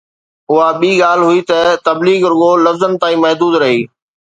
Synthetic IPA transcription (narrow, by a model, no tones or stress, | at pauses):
ʊɦaɓiːɠaːl̤ɦʊit̪ɐt̪ɐbliːɡɾʊɡolɐfzənɪt̪aːĩːmɐɦd̪uːd̪ɾɐɦiː